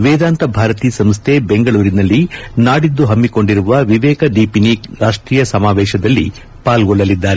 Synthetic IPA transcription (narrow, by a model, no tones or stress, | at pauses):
ʋɛːd̪aːnt̪ɐbʱaːɾɐt̪iːsɐmst̪ʰebeŋɡɐɭuːɾinɐlːinaːɽid̪ːuɦɐmːiko̞ɳɖiɾuʋɐʋiʋɛːkɐd̪iːpiniɾaːʂʈɾiːjɐsɐmaːʋɛːʃɐd̪ɐlːḭ | paːlɡɔɭːɐlid̪ːaːɾe